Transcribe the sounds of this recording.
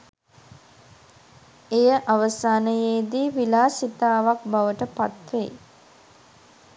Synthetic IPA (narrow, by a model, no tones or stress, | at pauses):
ejəʔaʋəsaːnəjeːd̪iːʋilaːsit̪aːʋak̚baʋəʈəpat̪ʋḛj